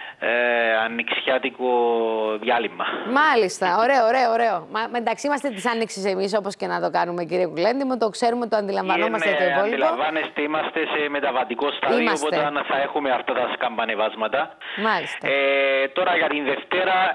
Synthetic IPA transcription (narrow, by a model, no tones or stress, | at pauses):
ɐnːiksçɐt̪ikoðjɐlimːɐmɐlist̪ɐoɾe̞oːɾe̞oːɾe̞omɐmend̪ɐksiimɐst̪et̪isɐnːiksisemiso̞posce̞nɐt̪o̞kɐnume̞ciɾiekulend̪imut̪o̞kse̞ɾumet̪it̪oɐnd̪ilɐɱvɐnomɐset̪oiɐbolid̪ilɐvɐnest̪eimɐst̪e̞se̞me̞t̪ɐvɐt̪iko̞st̪ɐiðimɐopott̪ɐnθɐe̞xumeɐft̪ɐt̪ɐskɐmbɐne̞vɐzmɐt̪ɐ | mɐlist̪ɐet̪o̞ɾɐʝɐt̪inðe̞ft̪e̞ɾɐ